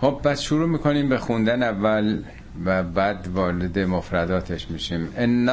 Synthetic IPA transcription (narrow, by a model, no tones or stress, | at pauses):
xob̚bæd̪ʃuɾuːmiːkʰo̞niːmbexund̪ænævːæl | væbæd̪vɒːɾed̪e̞mofɾæd̪ɒːt̪ʰeʃmiːʃiːmenː